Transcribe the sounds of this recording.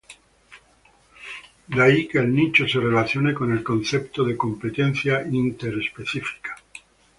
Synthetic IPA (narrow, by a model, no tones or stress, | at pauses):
d̪aikeːlnit͡ʃoserelaθjonekone̞lkonθept̪oðeko̞mpet̪enθjaint̪eɾespeθifi̥kḁ